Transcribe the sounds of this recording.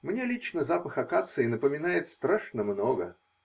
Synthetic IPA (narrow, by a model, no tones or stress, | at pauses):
mnʲe̞lʲit͡ɕnəzapəxɐkat̪sɨɪnəpəmʲɪnajɪt̪st̪ɾaʂnəmnoɡə